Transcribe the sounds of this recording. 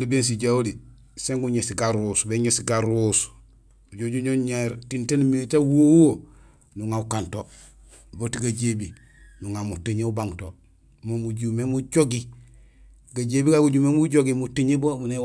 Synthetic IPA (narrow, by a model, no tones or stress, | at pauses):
libeːns̬iɟaoli | seŋɡuɲesiɡaɾusbeɲesiɡaɾus | uɟoɟuɲoɲeɾtintenmilitawowo | nuŋaukanto | botiɡaɟebi | nuŋamutiɲeubaŋto | momuɟumemuɟoɡi | ɡaɟebiɡaɡuɟumemuɟoɡimutiɲebomune